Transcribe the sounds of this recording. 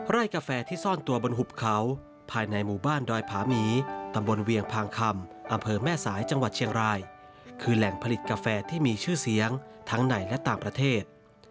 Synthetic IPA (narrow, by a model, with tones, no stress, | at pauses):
ɾa˥˩jkaː˧fɛː˧t̪ʰiː˥˩sɔː˥˩nt̪u˧ɐbo˧nɦu˨˩p̚kʰa˩˦w | pʰaː˧jna˧jmuː˨˩baː˥˩ndɔː˧jpʰaː˩˦miː˩˦t̪a˧mbo˧nwi˧əŋpʰaː˧ŋkʰa˧mʔa˧mpʰɤː˧mɛː˥˩saː˩˦jt͡ɕa˧ŋwa˨˩t͡ɕʰi˧əŋɾaː˧j | kʰɯː˧lɛ˨˩ŋpʰa˧li˨˩t̪̚kaː˧fɛː˧t̪ʰiː˥˩miː˧t͡ɕʰɯː˥˩si˩˦əŋt̪ʰa˦˥ŋna˨˩jlɛ˦˥t̪aː˨˩ŋpɾa˧t̪ʰeː˥˩t̪̚